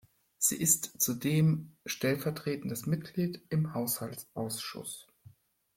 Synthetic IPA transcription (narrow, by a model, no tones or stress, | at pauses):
z̥ḭːʔɪstt͡sudeːmʃtɛlfɛɐtʁ̥eːtn̩dəsmɪt̚ɡ̥liːtɪmhaʊshaltsʔaʊsʃʊ̰s